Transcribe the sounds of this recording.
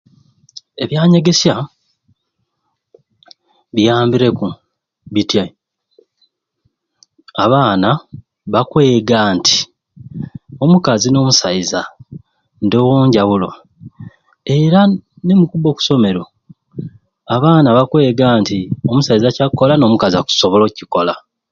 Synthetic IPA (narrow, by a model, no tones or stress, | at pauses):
e̞βjaːɲe̞ɡe̞sa | βijaːmbiɾe̞ku | βitja | aβaːna | βakwe̞ːɡaːntʰi̥ | o̞mukazino̞ːmusaiza | ndowoːɲɟaβulo̞̰ | e̞ɾa | nemukubo̞ku̥so̞me̞ɾo̞ | aβaːnaβakwe̞ːɡaːntiomusaizacakːo̞lano̞mukaziaku̥so̞βolo̞ciko̞la